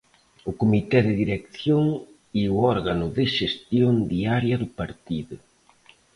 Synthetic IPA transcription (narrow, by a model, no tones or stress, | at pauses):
ʊkomit̪ɛðɪðiɾekθjoŋ | iʊɔɾɣanʊðɪʃest̪jond̪iaɾjɐðʊpaɾt̪iðʊ